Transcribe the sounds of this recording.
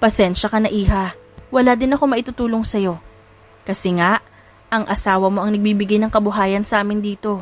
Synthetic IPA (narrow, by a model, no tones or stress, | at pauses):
pɐsɛnʃɐkɐnɐʔiːhɐ | wɐlaːd̪ɪnɐko̞mɐʔɪt̪ut̪uːlo̞ŋsɐjo̞ | kɐsɛŋaʔ | ʔɐŋʔɐsaːwɐmo̞ʔɐŋnɐɡ̚biːbɪɡajnɐŋkɐbʊɦaːjɐnsɐʔaːmɪnd̪iːt̪o̞